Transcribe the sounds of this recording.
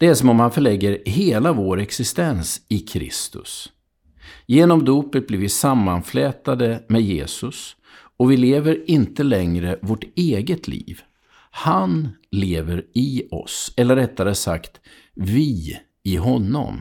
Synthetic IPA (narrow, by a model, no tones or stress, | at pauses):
d̪̥ɛæʂɔmɔmhanfœɭɛɡːəɾɦeːlavoːɾɛksɪst̪ɛnsɪkʰɾɪ̰st̪ɵ̰s | jeːnɔmd̪uːpət̪̚bliːɾvɪsamːanflɛːt̪ad̪əmɛd̪jeːsɵs | ɔvɪleːvəɾɪnt̪əlɛŋɾəvoʈeːɡət̪ʰlḭːv | hanleːvəɾɪɔ̰sɛlːəɾːɛt̪ːaɾəsa̰kt̪ | vɪ | ɪɦɔnːɔ̰m